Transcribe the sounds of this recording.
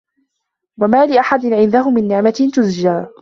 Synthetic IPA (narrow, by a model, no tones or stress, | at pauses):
wamaːlɪʔaħad̪ɪnʕɪnd̪aɦʊmɪnːɪʕmaɪt̪ʊzd͡ʒaː